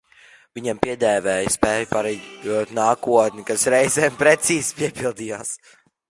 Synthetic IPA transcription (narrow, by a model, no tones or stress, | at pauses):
viɲampiɛd̪ɛːvɛːjspɛːjpaɾɛuɔt̪naːkuɔt̪nʲikasɾɛjzɛːmpɾet̪siːz̥piɛpilˠd̪ijaːs